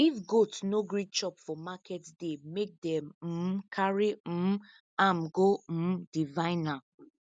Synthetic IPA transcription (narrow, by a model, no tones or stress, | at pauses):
ifɡotsnoɡɹit͡ʃɔpfɔmakʰɛtdemek̚dɛ̃m̩kʰaɹim̩ | ãmɡodivãɪna